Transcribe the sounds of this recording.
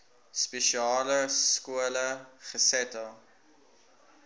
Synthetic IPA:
speʃiɑːləskuələχəsɛtɑ

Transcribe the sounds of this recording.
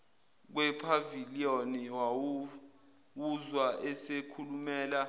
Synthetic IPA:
k̬wɛpʰavilionɛwaw | wuzwaʔɛsekʰulumɛːla

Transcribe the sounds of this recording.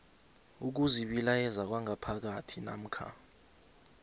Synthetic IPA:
uk̬uziɓilajɛzak̬waŋʱapʰak̬atʰina̰m̩kʰa̰

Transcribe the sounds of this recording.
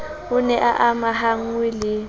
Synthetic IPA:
ʊnɛʔaʔamaɦaŋwilɪ

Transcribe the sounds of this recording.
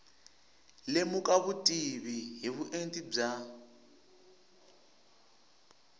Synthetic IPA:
lemukʼaβutʼiβiɦiβuʔentʼib͡ʐa

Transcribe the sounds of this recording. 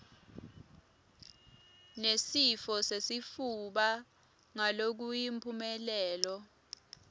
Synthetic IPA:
nesifɔsesifuɓa | ŋalok̬ujimpʰumɛlɛːlɔ

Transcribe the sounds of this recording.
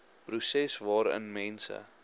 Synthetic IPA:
prusɛsvɑːɾə̰nmɛnsə̰

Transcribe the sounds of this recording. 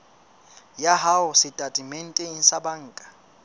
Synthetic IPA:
jaɦaʊsɪtʼatʼimen̩tʼɛn̩sabaŋ̩ːkʼḁ

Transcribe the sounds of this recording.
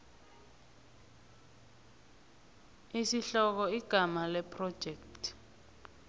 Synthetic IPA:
isiɬɔk̬ɔiɡ̥ʱamalɛpʰrɔd̥ʒ̥ʱɛkttʰʼ

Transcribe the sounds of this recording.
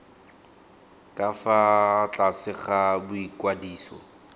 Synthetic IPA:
kʼafat͡ɬʼasɪχabʊikwadiːsɔ̰

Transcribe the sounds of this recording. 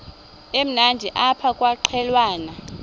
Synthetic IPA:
em̩nandʱiʔapʰakʼwaǃʰɛlwaːna

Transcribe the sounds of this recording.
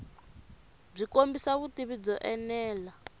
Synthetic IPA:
b͡ʐikombisaβutiβid͡zɔʔɛnɛːla

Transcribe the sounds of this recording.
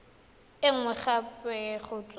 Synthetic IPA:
ɪŋ̩wɛχapʼɛχʊt͡sʼ

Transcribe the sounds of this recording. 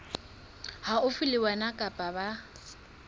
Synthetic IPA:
haʊfɪlɪwanakʼapʼaba

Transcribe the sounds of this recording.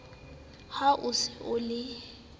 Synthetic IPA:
haʔʊsɪʔʊlɪ

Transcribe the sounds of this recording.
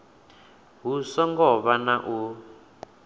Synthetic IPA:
ɦusɔŋɡɔβanaʔu

